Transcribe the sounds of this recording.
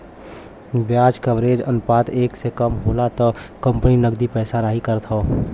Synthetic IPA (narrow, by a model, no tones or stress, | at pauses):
bjaːd͡ʒkəʋɾeːd͡ʒə̰nʊpaːt̪eːksekəmɦoːlat̪ɔkə̃mpninəɡd̪ipɛːsanaɦikəɾt̪ʰɦoː